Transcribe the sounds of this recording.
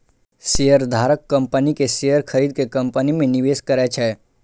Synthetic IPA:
sejəɾd̪ʱaːɾəkːə̃mpənikesejəɾkʰəɾiːd̪̚kekɐ̃mpənimẽnɪʋeːskəɾɛt͡ʃʰɛː

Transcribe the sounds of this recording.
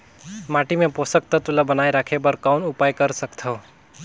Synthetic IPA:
maʈimẽposək̚t̪ət̪ulabənajɾakʰebəɾkaʊnupajkəɾsəkt̪ʰəo

